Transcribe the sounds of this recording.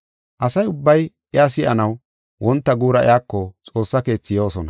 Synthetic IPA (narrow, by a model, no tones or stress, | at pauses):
ʔɐsɐjʊbːɐj | ɪas̬ɪʔɐnɐw | wɔnt̪ːɐɡuːɾɐʔɪ̰jaːkːɔt͡sʼo̞ːsːɐke̞ːt͡sːɪjo̞ːsɔnɐ